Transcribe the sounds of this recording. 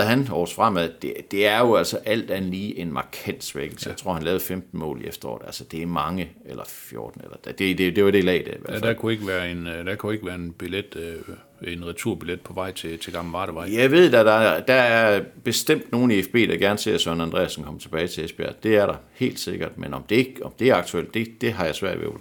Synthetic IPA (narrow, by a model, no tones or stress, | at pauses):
ɦænɒ̰ːsfʁɑm̰æðˠd̥ed̥e̝æɐjo̝æl̰sɒʔæl̰d̥ænliːʔe̝nmɑ̈kʰæn̰d̥sʋeɡ̥l̩sjaɪt͡sʰʁo̝ɐ̰hænlɛːʊfemd̥n̩mɔ̰̽ːliefd̥ɐɒ̰ːdð̥̩ˠælsəd̥e̝æɐmɑ̈ŋəelɐfjo̝ːɐd̥n̩elɐd̥æd̥ed̥e̝d̥e̝ʋɑɾ̥e̝lɛ̰ːd̥eʋɐd̥ækʰue̝ɡ̥əʋæːɐend̥ækʰue̝ɡ̥əʋæːɐenb̥iled̥ | enʁit͡sʰuɐ̰b̥iled̥̚pʰɒ̽ʋɑ̈ɪ̰t͡sʰe̝t͡sʰe̝ɡ̥ɑ̈ml̩ʋɑ̈ːɾ̥əʋɑ̈ɪ̰jɑ̈ɪʋe̝ð̞̰ˠd̥æd̥ɑ̈d̥ɑ̈æɐb̥e̝sd̥em̰d̥no̝ːn̩iefb̥e̝̰ːd̥ɑ̈ɡ̥æɐnse̝ɐ̰sœnænd̥ʁɛ̰ːæsn̩kʰɒ̽m̰ɐt͡sʰe̝b̥ɛːɪt͡sʰe̝lesb̥e̝æ̰d̥e̝æɐɾɑ̈he̝̰ːld̥se̝ɡ̥ɐd̥menɒ̽md̥e̝eɡ̥ɒ̽md̥e̝æɐɑ̈ɡ̥t͡sʰuel̰d̥e̝d̥e̝ɦɑ̈jɑ̈ɪsʋæɐ̰d̥ʋḛ